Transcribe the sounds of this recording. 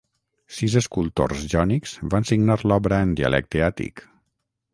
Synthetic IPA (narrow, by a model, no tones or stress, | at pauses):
sizəskulˠt̪o̰rzʒɔnikz̥βansiɡnaɾlɔβɾəːnd̪iə̰lʔɛ̰k̚t̪eat̪ḭk